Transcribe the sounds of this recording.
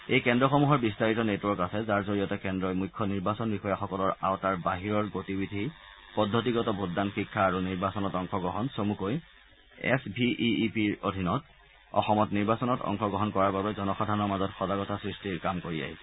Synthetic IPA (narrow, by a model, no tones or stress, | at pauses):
ejkɛndɹɔxɔmuɦɔɹbistaɹitɔnetuwɔɹkasɛzaɹzoɹijɔtɛkɛndɹɔjmujkʰːɔniɹbasɔnbixɔjaxɔkɔlɔɹa̰wtaɹbaɦiɹɔɹɡotibidʱi | pɔdʱːotiɡɔtɔbʱudanxikʰːaːɹuniɹbasɔnɔtɔŋxɔɡɹɔɦɔnsomukoj | ɛ̰sbʱiʔiipiɹodʱinɔt | ɔ̰xɔmɔtniɹbasɔnɔtɔ̰ŋxɔɡɹɔɦɔnkɔɹaɹbabɛzɔnɔxadʱanɔɹmazɔtxɔzaɡɔtasɹistiɹkamkoɹija̰ɦisɛ